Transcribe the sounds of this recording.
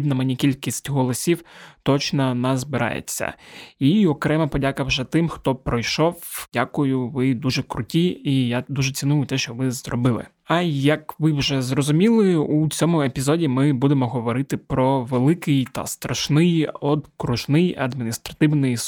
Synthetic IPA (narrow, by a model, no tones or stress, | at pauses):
bnɐmenʲikʲilʲkʲisʲtʲɦɔlˠɔsʲiwt̪ɔt͡ʃnɐnɐzbɪɾɑ̰jḛt͡sʲːɐ̰iɔkɾɛmɐpɔdʲakɐwʒɛt̪ɪmxt̪ɔpɾɔjʃɔwdʲakʊjʊʋɪd̪uʒɛkɾʊtʲiijad̪uʒɛt͡sʲinujʊt̪ɛʃt͡ʃɔʋɪzrɔ̰bɪlˠɪ̰ | ɐjɐkʋɪwʒɛzrɔzʊmʲilˠɪut͡sʲɔmʊepʲizɔdʲimɪbud̪emɔɦɔʋɔɾɪt̪ɪpɾɔʋelˠɪkɪjt̪ɐ̰st̪ɾɐʃnɪjɔd̪kɾʊʒnɪjɐ̰d̪mʲinʲist̪ɾɐt̪ɪwnɪj